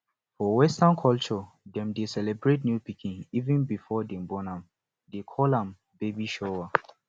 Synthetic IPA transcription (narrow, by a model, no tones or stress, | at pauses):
fɔwɛstankʰɔlt͡ʃɔ | dɛ̃mdesɛlɛbɹet̚njupikʰĩnivɛ̃nbifɔdɛ̃mbɔ̃nãm | dekʰɔlãm | bebiʃɔwa